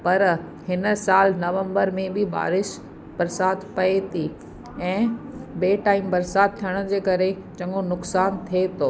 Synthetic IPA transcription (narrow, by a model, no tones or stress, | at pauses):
pɐɾ | hɪnə̆saːlnɐʋə̃mbəɾmẽbɪba̰ːɾɪʃ | bɐɾsaːt̪pɐet̪ʰi | ɛ̃ːbeːʈaːimbɐɾsaːt̪̚t̪ʰːijəɽ̃̆d͡ʑeːkɐɾe | t͡ɕɐ̃ŋɡonʊksaːnt̪ʰiet̪ʰoː